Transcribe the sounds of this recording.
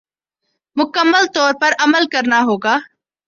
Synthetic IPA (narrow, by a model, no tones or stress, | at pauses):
mʊkəmːəlt̪ɔːɾpɐɾɐməlkɐɾnaɦoːɡaː